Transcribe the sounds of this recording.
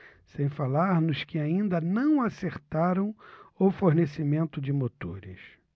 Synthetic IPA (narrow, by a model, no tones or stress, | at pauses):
sẽj̃falaɾnʊskɪaĩnd̪ɐnɐ̃w̃aseɾt̪aɾɐ̃w̃ʊfoɾnesimẽnt̪ʊd͡ʒɪmot̪o̰ɾɪ̰s